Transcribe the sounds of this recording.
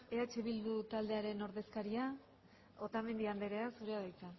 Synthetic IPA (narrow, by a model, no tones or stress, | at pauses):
eat͡ʃeβild̪ut̪ald̪e̞aɾe̞no̞ɾðe̞skaɾia | o̞t̪ame̞nd̪iand̪e̞ɾe̞asuɾeaðajt͡sa